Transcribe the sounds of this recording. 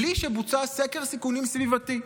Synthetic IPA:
liʃebut͡sasekeʁsikunimsvivat̪i

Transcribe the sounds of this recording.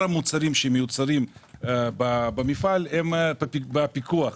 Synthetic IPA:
amut͡saɾimʃemejut͡saɾimbabamifalembbapikuaχ

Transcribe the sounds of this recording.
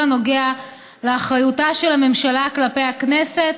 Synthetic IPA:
ano̞ɡea | leaχʁajutaʃe̞lame̞mʃalaklapejaknese̞t

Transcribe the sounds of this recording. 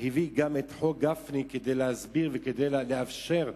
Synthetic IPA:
hiviɡamet̪ħoɡafniked̪ejlehazbiʁveked̪ejlleafʃe̞ʁ

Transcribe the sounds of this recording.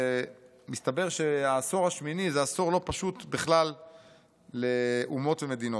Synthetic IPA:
mist̪abe̞ʁʃeaso̞ʁaʃminizeaso̞ʁlo̞paʃut̪biχlalː | eʔumo̞t̪vemed̪ino

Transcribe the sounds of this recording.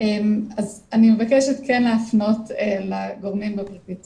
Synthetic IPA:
emazanimevakɛʃet̪kɛnleafno̞telaɡoʁmimbapʁitit

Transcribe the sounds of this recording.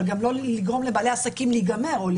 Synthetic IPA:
ɡamlo̞liɡʁo̞mlebaːle̞asakimliɡame̞ʁol

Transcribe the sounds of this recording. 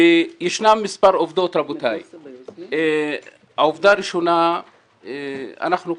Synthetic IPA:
jeʃnamːispaɾovd̪ot̪ɾabot̪aj | haovd̪aːɾiʃo̞na | ea̰naχnu

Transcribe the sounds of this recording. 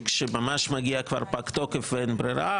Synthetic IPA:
kʃemamaʃmaɡiakva̰ɾpakt̪okefvenbɾiɾa

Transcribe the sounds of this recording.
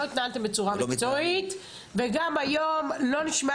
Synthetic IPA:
oit̪naalt̪e̞mbet͡suʁamikt͡soit̪ | veɡamajomlo̞niʃma

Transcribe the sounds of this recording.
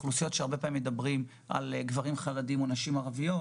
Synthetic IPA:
χlusijo̞tʃeaʁbe̞pamimed̪abʁim | a̰lɡvaʁimχaladimo̞naʃimaʁavijo̞

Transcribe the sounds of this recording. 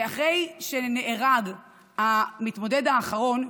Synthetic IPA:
aχʁe̞jʃene̞ʔeʁaɡ | hamit̪mo̞de̞daːχaʁo̞n

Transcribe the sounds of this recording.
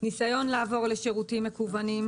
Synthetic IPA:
nisajo̞nlaːvo̞ʁle̞ʃeʁutimːe̞kuvanim

